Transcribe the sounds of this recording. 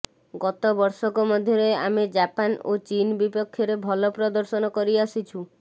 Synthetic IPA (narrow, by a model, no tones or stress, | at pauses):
ɡɔt̪ɔbɔɾsɔkɔmɔd̪ʱjɔɾejamed͡ʒapano̰t͡ʃinbipɔkʰːjɔɾebʱɔlɔpɾɔd̪ɔɾsɔnɔkɔɾiasit͡ʃʰu